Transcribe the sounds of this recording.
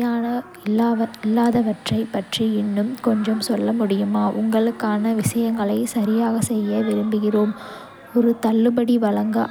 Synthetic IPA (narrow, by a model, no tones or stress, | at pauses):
aːnɐ | ɪlːaːɐɪlːaːðɐʋɐʈrɐɪpːɐʈriɪnːɯmkɔɲd͡ʒɐmsɔlːɐmʊɽɪjɯmaːʔʊŋɡɐɭɯkːaːnɐʋɪʂɐjɐŋɡɐɭɐɪsɐɾɪjaːɣɐsɛjːɐʋɪɾɯmbɯɣɪroːm | ɔɾɯt̪ɐlːɯbɐɽiʋɐɭɐŋɡɐ